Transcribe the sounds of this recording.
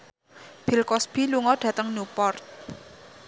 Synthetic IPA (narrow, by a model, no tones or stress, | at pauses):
b̥i̤lkɔsb̥iluŋɔɖ̥ä̤t̪əŋnupɔrt̪̚